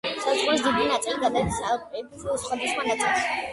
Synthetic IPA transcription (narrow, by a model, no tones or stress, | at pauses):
sazʁuɾis̬d̪id̪inat̪sʼiliɡad̪aɛt̪saɛb̪sʼilˠsχɛd̪isχwanat̪sʼilˠs